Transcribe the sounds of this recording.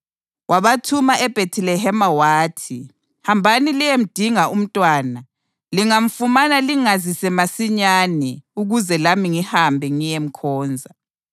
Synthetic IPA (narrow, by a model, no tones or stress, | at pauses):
waβatʰumaʔɛb̥ʱetʰilɛɦɛmawaːtʰi | hambʱanilijem̩d̥ʱiŋaʔum̩tʼwaːna | liŋaɱ̩fumanaliŋazisɛmasiɲanɛuɣuzɛlamiŋihambʱɛŋijem̩kʰɔːnd͡zʱa